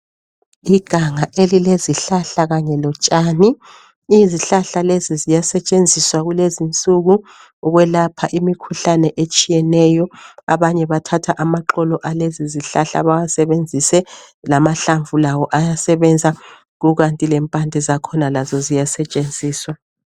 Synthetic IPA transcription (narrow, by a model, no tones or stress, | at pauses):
iɡ̥ʱaŋaʔelileziɬaɬaɣaɲɛlɔt͡ʃʼaːni | iziɬaɬalezizijasɛt͡ʃʼend͡zʱiswaɣulezint͡sʼuɣu | ɔɣwɛlapʰaʔimikʰuɬanɛʔet͡ʃʼijɛnɛjɔa̰βaɲɛβatʰatʰaʔamaǃɔlɔʔaleziziɬaɬa̰βajasɛβend͡zʱisɛlamaɬaɱvulawɔʔajasɛβɛnd͡zʱa | ɣuɣantʼilɛmpʼandʱɛzakʰɔnalazɔzijasɛt͡ʃʼend͡zʱiːswa